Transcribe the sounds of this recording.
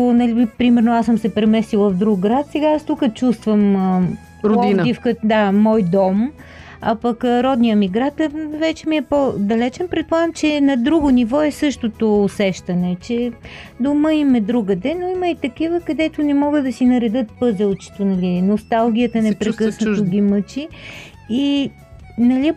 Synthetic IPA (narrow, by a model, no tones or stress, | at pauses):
onɐliipɾimɛɾnoasəmsɛpɾɛmɛsilˠəfd̪ɾuɡɡɾat̪sɛɡaast̪ukət͡ʃust̪vəmə | ɾod̪ind̪ifkəd̪amɔjd̪ɔm | ɐpɐkɾɔd̪nijəmiɡɾat̪vɛt͡ʃɛmiɛpod̪ɐlɛt͡ʃɛnpɾɛt̪̚pˠaɛmt͡ʃɛnɐd̪ɾuɡʊnivɔɛsɤʃt̪ot̪oːsɛʃt̪ɐnɛt͡ʃɛd̪oməimɛd̪ɾuɡəd̪ɛnoiməit̪ɐkivəkɐd̪ɛt̪ʊnɛmɔɡəd̪ɐsinɐɾɛd̪ɤt̪̚pɤzəlˠt͡ʃi̥t̪onɐlʲinost̪alˠɡ̟ʲijət̪ənɛpɾɛkɤsnɐt̪oɡʲimɤt͡ʃiː | nɐlʲi